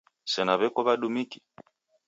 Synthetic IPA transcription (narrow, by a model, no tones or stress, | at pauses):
sɛnaβɛkɔβaɗumiki̥